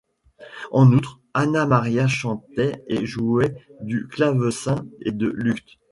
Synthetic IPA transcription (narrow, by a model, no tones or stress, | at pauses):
ɑ̃nut̪χ | anamaʁjaʃɑ̃t̪ɛḛʒuɛd̪yklavəsɛ̃ed̪əlykt̪